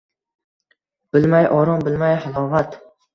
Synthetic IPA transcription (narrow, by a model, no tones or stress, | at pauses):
b̥ɪlmajʔɒɾɒŋbɪlmajhɪlˠɒvat̪